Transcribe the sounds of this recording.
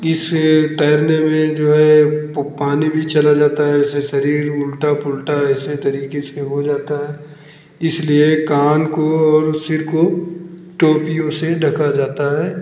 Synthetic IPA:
ɪst̪ɛːɾnemẽd͡ʒoːɦɛpaːnibʱit͡ʃɐlad͡ʒaːt̪aɦɛseʃɐɾiːɾmʊlʈapʊlʈaɛset̪ɐɾiːkeseɦod͡ʒaːt̪aɦɛː | ɪsliekaːnkoɔːɾsɪɾkoʈoːpijõseɖʱɐkad͡ʒaːt̪aɦɛː

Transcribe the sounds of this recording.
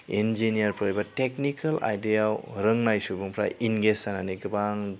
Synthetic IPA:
end͡ʒinijɐɾpʰɯɾibatek̚nikʰɐla̰jdeawɾɯŋnajsubuŋpʰɾa̰jinɡesananiɡɯbaŋ

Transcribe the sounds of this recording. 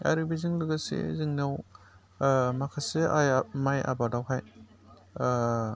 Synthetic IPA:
a̰ɾɯbizɯŋlɯɡasḛzɯŋnaw | makʰaseajmaja̰badawɦaj

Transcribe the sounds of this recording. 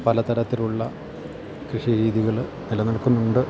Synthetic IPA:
pɐlɐt̪ɐɾɐt̪ːiluɭːɐ | krɨʂiɾiːðiɣɐɭ | nilɐnɐɭkːunːuɳɖɨ

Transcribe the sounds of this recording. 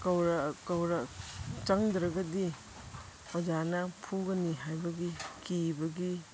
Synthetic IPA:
kɐwɾɐkɐwɾɐt͡ʃɐŋdɾɐɡɐdi | ɔd͡ʒanɐpʰuɡɐniɦajbɐɡikibɐɡi

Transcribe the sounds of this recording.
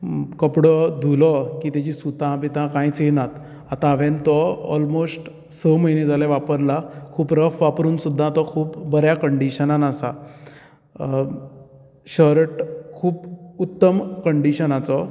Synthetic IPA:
kəpɽɔd̪ʱulɔkiːt̪jat͡ɕiːsut̪ãpit̪ãkãjt͡senat̪ | at̪ãːʋẽnt̪ɔɔ̰lmosʈ | səməjned͡zʱaleʋapəɾlakʰuːpɾəfʋapɾuːnsud̪ʱːãt̪ɔkʰuːpbəɾjakəɳɖiɕənanasa | ɕəɾʈkʰuːput̪ːəmkəɳɖiɕənãt͡sɔ

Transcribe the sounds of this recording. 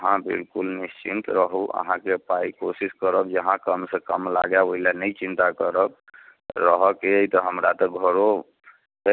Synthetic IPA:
əɦãbḭlkulnist͡ʃint̪ɾəɦuʔə̰ɦãkepajkosiskəɾəbd͡ʒəɦãkəmsə̃kəmlaɡjaoilanəjt͡ʃint̪akəɾəb̚ | ɾəɦəkeəjt̪ɔɦəmɾat̪ɔɡʱəɾo

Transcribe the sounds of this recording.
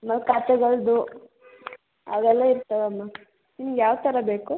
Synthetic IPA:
ɐmːɐlkaːt̪ɛɡɐɭd̪u | ɐ̰dɛlːɐiɾt̪ːɐʋeɐmːa | inːuɡjaːʋt̪ɐɾɐbeːku

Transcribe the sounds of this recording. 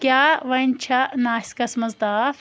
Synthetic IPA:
kjaːʋɐnʲt͡ʃʰɐnaːskɐsmɐzd̪aːf

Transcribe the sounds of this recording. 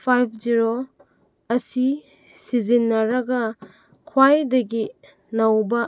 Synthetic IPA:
pʰajpʰziɾo | ɐsi | sizinːɐɾɐɡɐ | kʰwajdɐɡi | nɐwbɐ

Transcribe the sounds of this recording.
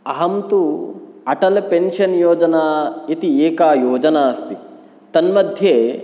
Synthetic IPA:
ɐɦɐmt̪uɐʈɐlpenʃɐnjoːd͡ʒɐnaːit̪ieːkaːjoːd͡ʒɐnaːɐst̪i | t̪ɐnmɐd̪ʱje

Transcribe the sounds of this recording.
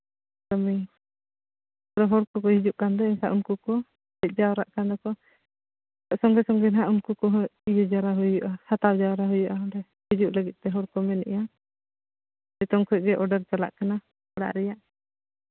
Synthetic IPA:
kamij | ɔɽɛɦɔɽkɔkɔɦid͡ʒuʔkand̪ɔinsaʔumkukɔ | ɛc̪̚ˀd͡ʒawɾa̰ʔkand̪ɔkɔ | aʔsɔŋɡɛsɔŋɡɛnɦaʔumkukɔɦid͡ʒɔd͡ʒaɾaɦujuʔahat̪awd͡ʒaɾaɦujuʔaɔɖɛ | hid͡ʒuʔləɡit̪̚t̪ɛɦɔɽkɔmɛnɛ̰ʔja | ɛt̪ɔŋkʰɔˀɡɛʔɔɖɛɾt͡ʃala̰ʔkana | bɔɽa̰ʔɾɛjaʔ

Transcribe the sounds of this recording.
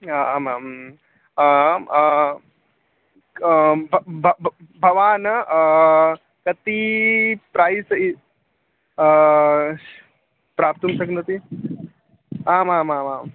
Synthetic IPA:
aaːmam | bʱbʱbʱɐʋaːnɐ | kɐt̪i | pɾaːjsɐ | pɾaːp̚t̪unsɐknɐt̪i | aːmaːmaːmam

